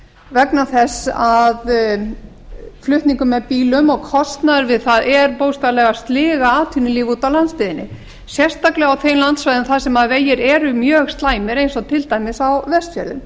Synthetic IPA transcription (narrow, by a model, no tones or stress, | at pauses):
vɛknaθɛsað | flʏht̪niŋkʏmːɛðpiːlʏmɔɣkʰɔst̪naɾvɪðθaðɛɾpoːwst̪alɛɣast̪lɪːɣaaːt̪ʰynɪliːvut̪awlant̪st̪ɪːðɪnːɪ̰ | sjɛr̥t̪aklɛɣawθejnlant̪svajðʏnmθasɛmaðveːjɪɾɛɾʏmjœːɣst̪laːjmɪɾejnsɔt̪ʰɪlt̪aːjmɪsawvɛst̪fjœlðʏ̰m